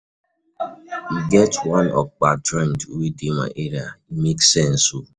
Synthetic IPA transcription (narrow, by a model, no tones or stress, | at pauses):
iɡɛtwãnɔ̰k͡patɾɛ̃ntuwedima̰ʔeɾiaimeksɛn̩su